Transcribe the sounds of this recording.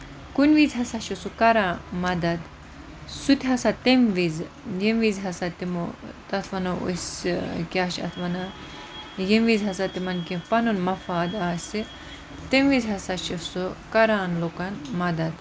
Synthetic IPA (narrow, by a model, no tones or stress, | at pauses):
kunʋizɦɐsaʃisukɐɾãːmɐd̪ɐd̪ | sut̪ʲʰiɦɐsat̪emʋiz | jemʋizɦɐsat̪imo̰t̪ɐt̪ʰʋɐnɐṵskʲaːʃɐ̰t̪ʰʋɐna | jemʋizɦɐsat̪imɐnkĩpɐnunmɐfaːd̪aːsʲi | t̪emʋizɦɐsaʃisukɐɾaːnloːkɐnmɐd̪ɐd̪